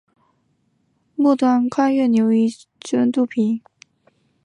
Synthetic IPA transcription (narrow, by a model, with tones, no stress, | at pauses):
mu˥˧t̪wa˥˧nkʰa˥ɥɛ˥˩njo˧˥ʊi˥˩ | ʈ͡ʂə˥nt̪u˥˩pʰi˧˥n